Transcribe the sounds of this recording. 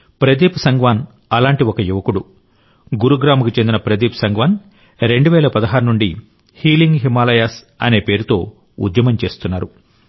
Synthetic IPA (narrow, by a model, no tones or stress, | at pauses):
pɾɐd̪iːpsɐŋɡʋaːn | ɐlaːɳʈiokɐjuʋɐkuɽu | ɡuɾuɡɾaːmɐkut͡ʃe̞nd̪inɐpɾɐd̪iːpsɐŋɡʋaːn | ɾe̞ɳɖuʋɛːlɐpɐd̪ɐɦaːɾunuɳɖi | hiːliŋɡɦimaːlɐjaːs | ɐ̰ne̞ːpe̞ːɾut̪o̞ː | ṵd̪jɐmɐmt͡ʃe̞ːst̪unːaːɾu